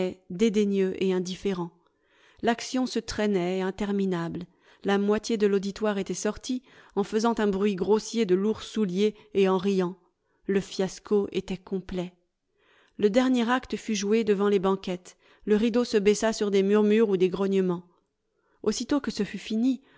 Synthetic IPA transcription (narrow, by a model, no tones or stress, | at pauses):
ɛd̪ed̪eɲøʔeɛ̃d̪ifeʁɑ̃ | laksjɔ̃sət̪χɛnɛɛ̃t̪ɛʁminabl | lamwat̪jed̪əlod̪it̪waʁet̪ɛsɔʁt̪ʰiɑ̃fəzɑ̃t̪ɛ̃bʁɥiɡʁosjed̪əluʁsuljeːɑ̃ʁijɑ̃ | ləfjaskoʔet̪ɛkɔ̃plɛ | ləd̪ɛʁnjɛʁakt̪əfyʒued̪əvɑ̃lebɑ̃kʲɛt̪ | ləʁid̪osəbɛsasyʁd̪emyʁmyʁud̪eɡʁɔɲəmɑ̃ | osit̪okəsəfyfini